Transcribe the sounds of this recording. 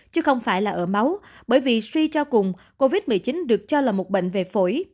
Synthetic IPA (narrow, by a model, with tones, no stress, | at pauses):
t͡ɕɨ˨˦xə˧wŋ͡mfaː˧˩jlaː˨˩ʔəː˧˩ma˨˦wɓəː˧˩jvi˨˩swi˧t͡ɕɔ˧kʊ˨˩ŋ͡m | ko˧vi˦˥t̚mɨ˨˩t͡ɕi˨˦nɗɨ˨˩ək̚t͡ɕɔ˧laː˨˩mo˨˩t̚ɓə̰˧˨ŋ̟ve˨˩fo˧˩j